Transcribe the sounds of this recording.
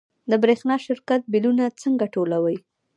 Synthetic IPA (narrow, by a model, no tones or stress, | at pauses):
d̪əbɾexnɑʃɪɾkat̪̚bilunat͡səŋɡaʈolawəj